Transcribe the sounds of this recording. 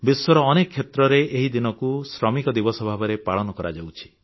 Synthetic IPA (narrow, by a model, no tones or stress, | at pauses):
biswɔɾɔːnekʰːet̪ɾɔɾeʔeɦid̪inɔkusɾɔmikɔd̪ibɔsɔbʱabɔɾepaɭɔnɔkɔɾa̰d͡ʒawt͡ʃʰi̥